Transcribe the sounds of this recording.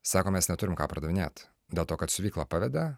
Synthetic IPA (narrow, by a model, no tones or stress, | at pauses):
sɑːkoːmʲɛsnʲɛt̪ʊɾʲɪmkɑːpɾɐd̪ɐʋʲɪnʲḛːt̪ | d̪ʲeːlˠt̪oːkɐt̪sʊʋʲiːklˠɑːpɑʋʲɛd̪ʲɛ